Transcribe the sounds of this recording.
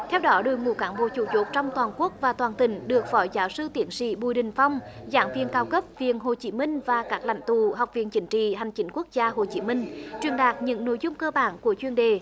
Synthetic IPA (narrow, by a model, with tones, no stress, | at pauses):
t̪ʰɛ˧wɗɔ˨˦ɗo˨˩jmṵ˨˧˩kaː˨˦ŋɓo̰˧˨˦t͡ɕu˧˩t͡ɕo˨˦˥t̚t͡ɕɔ˧wŋ͡mt̪waː˨˩nku˦˥ək̚vaː˨˩t̪waː˨˩nt̪ï˧˩˦ŋ̟ɗɨ˨˩ək̚fɔ˨˦jzaː˨˦wsɨ˧t̪i˨˧˩ənsḭ˧˥ɓu˨˧˩jɗï˨˩ŋ̟fɔ˧wŋ͡mzaː˨˦ŋvḭ˧˨ənkaː˧wkə˦˥p̚vi˨ənɦo˨˩t͡ɕi˨˦mï˧ŋ̟vaː˨˩kaː˦˥k̚la̰˧˨jŋ̟t̪u˧˨ɦa˨˩wk͡p̚vḭ˧˨ənt͡ɕï˨˦ŋ̟t͡ɕḭ˧˨ɦa˨˩jŋ̟t͡ɕï˨˦ŋ̟ku˦˥ək̚zaː˧ɦo˨˩t͡ɕi˨˦mï˧ŋ̟t͡ɕwi˨˩ənɗaː˨˩k̚ɲɨ̰˧˥ŋno̰˧˥jzʊ˧ŋ͡mkəː˧ɓaː˧˩nku˧˩ət͡ɕwi˧ənɗe˨